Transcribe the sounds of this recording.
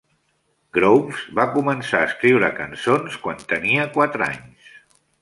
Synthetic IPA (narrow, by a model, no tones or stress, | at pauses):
ɡɾowsbakumənsaəːskɾiwɾəkənsonskwant̪əniəkwat̪ɾəa̰ɲs